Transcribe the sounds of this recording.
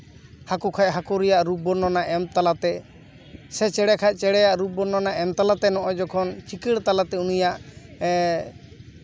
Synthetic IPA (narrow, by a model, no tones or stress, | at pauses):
hakɔkʰaʔɦakɔɾijaʔɾup̚bɔnːɔnaʔɛmt̪alat̪ɛ | sɛt͡ʃɛɽɛkʰaʔt͡ʃɛɽɛjaʔɾub̚bɔnːɔnaʔɛmt̪alat̪ɛnɔʔɔjd͡ʒɔkʰɔnt͡ʃikiɽt̪alat̪ɛunijaʔ